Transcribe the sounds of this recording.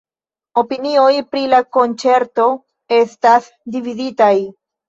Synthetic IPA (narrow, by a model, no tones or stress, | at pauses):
o̞pinio̞jpɾilako̞nt͡se̞ɾto̞ | e̞stas | dividitaj